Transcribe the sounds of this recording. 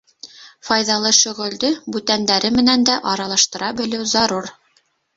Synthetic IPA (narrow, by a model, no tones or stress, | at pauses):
fɑjðɑlˠɤʃɵ̆ʁɵ̆ld̪ɵbʉt̪ænd̪æɾɘmɘ̆nænd̪æʔɑɾɑlˠɑʃt̪ɤ̆ɾɑbɘ̆lɘwzɑɾuɾ